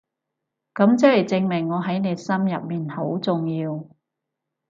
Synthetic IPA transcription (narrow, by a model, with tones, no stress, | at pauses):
kɐ˨˥mt͡sɐ˥hɐ˨˩jt͡sɪ˧ŋmɪ˨˩ŋːɔː˨˧ɦɐ˨˥jne˨˧jsɐ˥mjɐ˨p̚miː˨˩nho˨˥wt͡sʊ˨ŋjiː˧w